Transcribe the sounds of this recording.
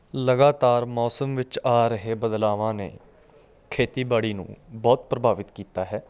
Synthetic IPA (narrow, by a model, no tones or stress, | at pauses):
ləɡaːt̪aːɾmɔːsəmʋɪt͡ʃaːɾəɦeːbəd̪laːʋãːnḛː | kʰeːt̪iːbaːɽiːnṵ̃ːbɔːt̪̚pɾəbʱaːʋɪt̪kiːt̪aːɦɛː